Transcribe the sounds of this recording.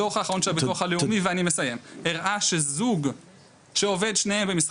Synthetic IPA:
oχaːχaʁonʃeabetoχaleumiveanimesaje̞meʁʔaʃezuɡ | ʃeove̞d̪ʃnehembemis

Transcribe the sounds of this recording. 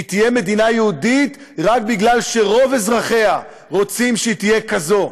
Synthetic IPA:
it̪ijeme̞d̪inajeud̪it̪ | ʁak̚biɡlalʃe̞ʁo̞vezʁaχe̞a | ʁo̞t͡simʃeit̪ijekazo̞

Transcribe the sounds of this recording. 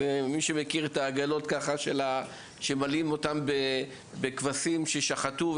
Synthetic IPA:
emiʃemekiʁet̪aːɡalo̞t̪kaχaʃela | ʃe̞malimo̞t̪ambe | bekvasimʃe̞ʃaχatuv

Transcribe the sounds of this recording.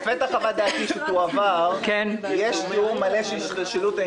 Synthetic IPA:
fet̪aχavad̪aːt̪iʃut̪uavaʁkenjeʃtiuʁmaleʃeiʃtaʃelut̪e

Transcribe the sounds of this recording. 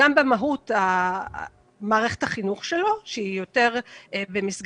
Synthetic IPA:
ambemaɦuta | maːʁe̞χe̞thaχinuχʃe̞lo̞ʃeijo̞te̞ʁbemisɡ

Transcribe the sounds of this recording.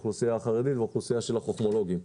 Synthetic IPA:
χlusiaːχaʁed̪it̪veχlusiaʃe̞laχoχmolo̞ɡim

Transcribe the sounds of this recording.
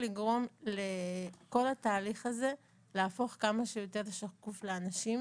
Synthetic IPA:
liɡʁo̞mleko̞lhataːliχaze | leafo̞χkamaʃejote̞ʁʃakufleanaʃim

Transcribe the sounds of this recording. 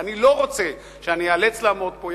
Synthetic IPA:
aniloʁot͡se | ʃeanialet͡slamot̪̚poj

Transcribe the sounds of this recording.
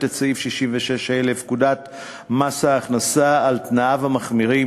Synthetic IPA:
t̪at͡saifʃiʃimveʃeʃelefkudat̪ | masaːχnasaːlt̪naavamaχmiʁi

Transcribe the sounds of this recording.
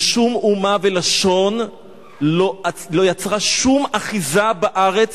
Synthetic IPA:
ʃumumavelaʃo̞n | lo̞alo̞jat͡sʁaʃumaχizabaʔaʁet͡s

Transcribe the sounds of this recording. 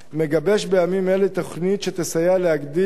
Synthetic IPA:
me̞ɡabe̞ʃbe̞jamimelet̪o̞χnit̪ʃet̪esajaleaɡd̪i

